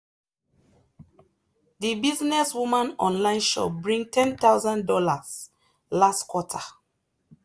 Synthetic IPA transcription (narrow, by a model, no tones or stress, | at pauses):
ðibiznɛswumãnɔ̰̃nlãɪ̃nʃɔ̰p̚bɹĩŋtʰɛ̃nθawzãndɔlaz̥ | lastkwɔtʰa